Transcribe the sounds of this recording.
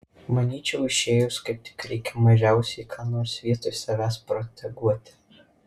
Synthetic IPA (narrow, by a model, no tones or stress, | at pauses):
mɐnʲiːt͡ʃʲɛʊɪʃʲeːjʊskɐɪp̚t̪ʲɪ̥kɾʲɛɪkʲɛmɐʒʲæˑʊsʲɛɪkʰɑːnoːɾsʋʲiɛt̪oːɪsɐʋʲæːspɾɔt̪ʲʰɛɡuɔt̪ʲɪ̥